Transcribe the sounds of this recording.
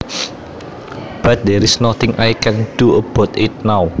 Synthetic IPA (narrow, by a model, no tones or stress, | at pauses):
b̥at̪̚d̪ɛɾisnɔt̪ɪ̃ŋʔajkʰɛ̃nduəb̥ɔt̪ɪt̪̚naw